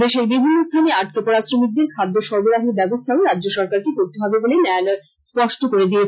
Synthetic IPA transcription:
d̪eʃeɾbibʱinːost̪ʰaneaʈ̚kopɔɾasɾomik̚d̪eɾkʰad̪ːoʃɔɾboɾaɦiɾbɛbost̪ʰaɾadːd͡ʑoʃɔɾkaɾkekoɾt̪eɦɔbebolenɛalɔ | spɔʃʈokoɾed̪ie

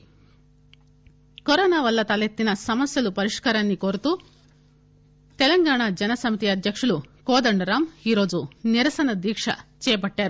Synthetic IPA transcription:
kɔɾɔːnaːʋɐlːɐt̪ɐlet̪ːinɐsɐmɐsjɐlupɐɾiʂkɐɾɐnːikoɾt̪uː | t̪elɐŋɡaːɳad͡ʒɐnɐsɐmit̪iɐd̪ʱjɐkʂɐɭukoːd̪ɐɳɖɐɾaːmiɾo̞ːd͡ʒuniɾɐsɐnɐd̪ʋiːkʂɐ̰t͡ʃɛːjɐpɐʈːaːɾu

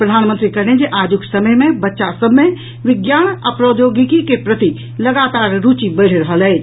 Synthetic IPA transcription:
pɾəd̪ʱaːnmə̃nt̪ɾikəɾned͡ʒeʔaːd͡ʒʊksəməjmẽbɐtːʃasəbʱmẽ | ʋɪɡjaːnəpɾoːd̪joːɡɪkikepɾət̪i | lɐɡaːt̪aːɾɾut͡ʃibəɽ̤ɾəɦəlɦɛː

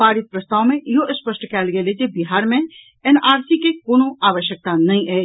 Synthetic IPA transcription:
paːɾɪt̪̚pɾɐst̪aːwmẽjoʔɪspəʃʈkɛːlɡeled͡ʒebɪɦaːɾmẽ | ɛnaːɾsikekoːnõaːʋəʃjək̚t̪anɐɦĩʔɛː

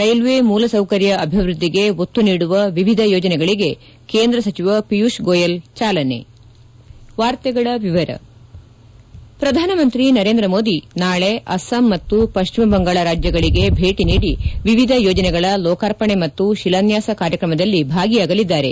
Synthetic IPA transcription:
ɾɐjlʋemuːlɐsɐwkɐɾjɐʔɐbʱiʋɾud̪ʱːiɡe̞ot̪ːuniːɽuʋɐʋiʋid̪ʱɐjɔːd͡ʒɐnɛɡɐɭiɡe̞ | keːnd̪ɾɐsɐt͡ʃiʋɐpijuʃɡoːjɐlt͡ʃaːlɐne̞̰ | ʋaːɾt̪ɛɡɐɭɐʋiʋɐɾɐ̰ | pɾɐd̪ʱaːnɐmɐnt̪ɾinɐɾeːnd̪ɾɐmo̞ːd̪inaːɭeʔɐsɐmːɐt̪ːupɐʃt͡ʃimɐbɐŋɡaːɭɐɾaːd͡ʒjɐɡɐɭiɡe̞bʱe̞ːʈiniːɽiʋiʋid̪ʱɐjɔːd͡ʒɐnɛɡɐɭɐlɔːkaɾpɐɳemɐt̪ːuʃilɐnjaːsɐkaːɾjɐkɾɐmɐd̪ɐlːibʱaːɡijaːɡɐlid̪ːaːɾe̞

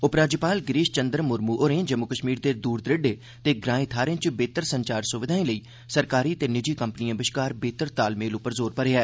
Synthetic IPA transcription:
ʊpɾaːd͡ʒəpaːlɡɾiːʃt͡ʃənd̪ɾmʊɾmuːʔoɾẽːd͡ʒəmːʊkəʃmiːɾd̪eːd̪uːɾd̪ɾɪɖeː | t̪eːɡɾãːẽːt̪ʰaːɾẽːt͡ʃbeːt̪əɾsəɲt͡ʃaːɾsʊʋɪd̪ʱaːĩːləiː | səɾkaːɾiːət̪eːnɪd͡ʒiːkəmpnijãːbɪʃkaːɾbeːt̪əɾt̪aːlmeːlʊpːəɾzoːɾpəɾeːɦɛː

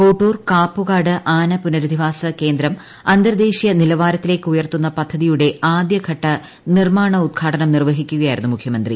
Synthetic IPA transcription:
foːʈːuːrkaːpːuɣaːɽɨʔaːnɐpunɐɾud̪ʱiʋaːsɐke̞ːnd̪ɾɐm | ɐnd̪ɐɾd̪eːɕijɐnilɐʋaːɾɐt̪ːile̞ːkːɨujɐrt̪unːɐpɐd̪ʱːɐðijuɽe̞aːd̪jɐɡʱɐʈːɐ | nirmaːɳɐud̪̚ɡʰʱaːʈɐnɐmnirʋɐɦikʲːuɣɐjaːjiɾunːumukʰjɐmɐnd̪rḭ

